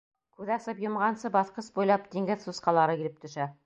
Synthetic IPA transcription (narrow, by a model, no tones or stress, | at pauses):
kʉðæsɤpjŏmʁɑnsɤbɑθqɤsbujlˠɑpt̪iŋɡɘðsusqɑlˠɑɾɤkiɾɘp̚t̪ɵ̆ʃæ